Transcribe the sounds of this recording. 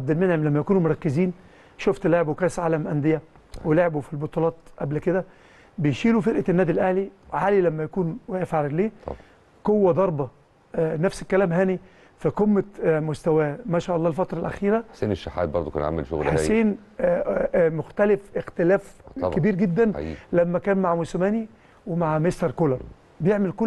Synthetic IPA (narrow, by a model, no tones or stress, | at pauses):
ʕab̚d̪ælmenhemlæmːæjækuːnumoɾˤɑkːeziːn | ʃoft̪leʕbwekæːsʕaːlæmʔænd̪ejæ | weleʕbufilbot̪ˤulɑːt̪ʔæblked̪æ | bejʃiːlufeɾʔænːæːd̪ilʔæhliwʕaːlilæmːæjækuːnwææfʕaɾlḛː | qowːæd̪ˤɑɾˤbɑ | næfsekːælæːmɦæːni | fiqomːæmost̪æwæːmæːʃæːʔɑlˤːɑːlfɑt̪ɾˤɑlʔæ̰xiːɾæħseːneʃːaħa̰ːd̪̚bɑɾd̪ˤokæ̰nʕa̰mḛlʃo̰ɣlasiːn | moxt̪ælefext̪elæːfkebiːɾɡed̪ːæn̰ːlæmːækæːnmaʕmosmæːni | wemaʕmest̪ɑɾˤkolɑɾˤ | bejeʕmelko